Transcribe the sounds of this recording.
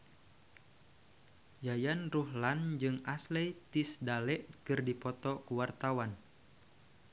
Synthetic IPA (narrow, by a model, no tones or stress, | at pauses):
jajanruhland͡ʒɨŋaslɛjt̪isdalɛʔkɨrdipɔt̪ɔkuwart̪awan